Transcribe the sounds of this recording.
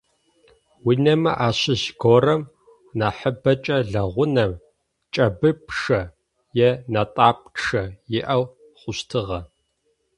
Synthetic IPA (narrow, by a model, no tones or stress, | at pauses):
winɐmɐ̰ʔaːɕɪʑɡorɐm | naːħəbɐt͡ʃʼɐɮɐʁʷʊnɐm | t͡ʃʼɐbɨpʰʂɐ | jɛnatʼaːp̚ʂɐjɪʔɐw | χʷʊɕtʰɨʁɐ